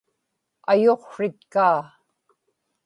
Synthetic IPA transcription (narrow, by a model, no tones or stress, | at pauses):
ajoqʂɪt̪̚kaː